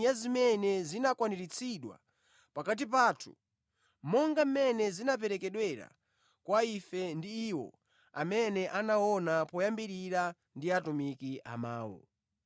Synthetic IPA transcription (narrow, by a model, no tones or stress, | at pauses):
azimɛnɛzinakwaniɾit͡sʰiɗwa̰ | pakat̬ip̬aːtʰu | mɔŋɡam̩mɛnɛzinap̬ɛɾɛkɛɗwɛɾa̰ | kwaifɛndiːwɔ̰ | a̰mɛnɛʔanaɔnapɔjambiɾiɾa | ndiatumikiʔa̰maːwɔ̰